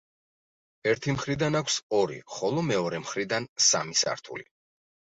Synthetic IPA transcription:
ɛɾt̪ʰimχɾid̪anakʷʰsɔɾḭχɔlˠɔmɛɔɾɛmχɾid̪ansa̰misa̰ɾt̪ʰṵlḭ

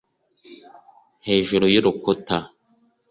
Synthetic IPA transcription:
heːʒuɾojiɾukuta

